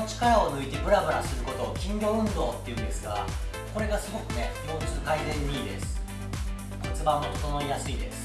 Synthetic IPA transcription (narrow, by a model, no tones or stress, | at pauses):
ot͡ɕi̥kaɾao̞nɯ̟it̪e̞bɯ̟ɾabɯ̟ɾasɨɾɯ̟ko̞t̪o̞ːkʲĩɲɡʲo̞ːɯ̟̃nd̪o̞ːt̪ːe̞iɯ̟̃nd̪e̞sɨɡa̰ | ko̞ɾe̞ɡasɨɡo̞kɯ̟ne | o̞ːt͡sɨɨkaizẽ̞ɲːiːd̪e̞̰sɨ̥ | ko̞t͡sɨbãmːot̪o̥t̪ono̞ijasɨid̪e̞sɨ̥